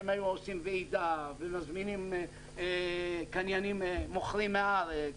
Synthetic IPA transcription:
majluosimveid̪avemazminim | kanjanimːoχlimeal

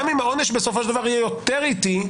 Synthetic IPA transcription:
mimao̞neʃbesofoʃeld̪avaʁijɛjot̪eʁit̪i

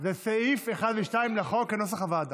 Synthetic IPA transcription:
ðɛsɛifɛχad̪viʃtaɪmlɪχɔkanɔs̬aχavad̪

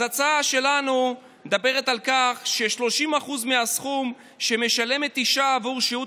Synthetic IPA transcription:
at͡saʃe̞lanu | d̪abe̞ʁ̞e̞t̪alkaχʃe̞ʃlo̞ʃimaχuzmeasχum | ʃe̞me̞ʃale̞me̞t̪iʃaːvuʁʃiu

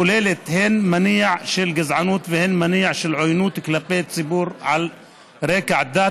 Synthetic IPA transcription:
ʊleːlet̪hɪnmaniːʕʃɪlɡazʕanuːt̪vɪhɪnmaniːʕʃɪlʕojnuːt̪klapːeːt̪t͡sɪbuːɾʕal | ɾeːkʕd̪aː

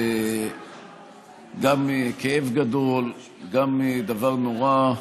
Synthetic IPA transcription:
e | ɡamːikeevɡad̪o̞l | ɡamːid̪avaʁnoʁa

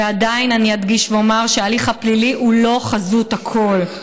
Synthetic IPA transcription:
ead̪ainaniad̪ɡiʃveomaʁʃealiχhapliliʔulo̞χazut̪akʰo̞l

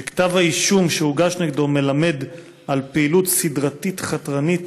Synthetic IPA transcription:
kt̪avaiʃumʃeuɡaʃneɡdome̞lame̞d | ʔalpeilut̪sidʁatitχatʁanit

